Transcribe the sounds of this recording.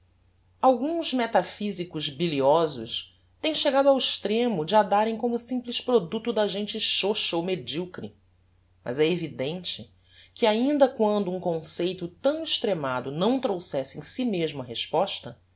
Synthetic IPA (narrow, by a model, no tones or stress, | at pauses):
awɡũzmet̪afizikʊzbiliɔzʊʃ | t̪ẽj̃ʃeɡad̪ʊawiʃt̪ɾẽmʊd͡ʒɪad̪aɾẽj̃kõmʊsĩplɪspɾod̪ut̪ʊd̪ɐʒẽnt͡ʃɪʃoʃɐowmed͡ʒiwkɾi | mɐ̰zɛevid̪ẽnt͡ʃɪ | kɪaĩnd̪ɐkwɐ̃nd̪ʊũkõsejt̪ʊt̪ɐ̃w̃ɪʃt̪ɾemad̪ʊnɐ̃w̃t̪ɾowsɛsɪẽj̃simeʒmʊɐɦeʃpɔʃt̪ɐ